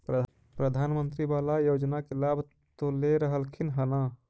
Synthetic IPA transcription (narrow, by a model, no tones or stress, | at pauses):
pɾə | pɾəd̪ʱanmənt̪ɾibalajod͡ʒnakelabʱ | t̪oleɾəɦəlkʰinɦəna